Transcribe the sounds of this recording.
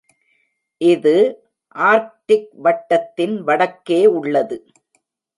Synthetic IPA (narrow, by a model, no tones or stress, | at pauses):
ʔɪðɯ | ʔaːɾʈːɪk̚ʋɐʈːɐt̪ːɪnʋɐɽɐkːeːʊɭːɐðɯ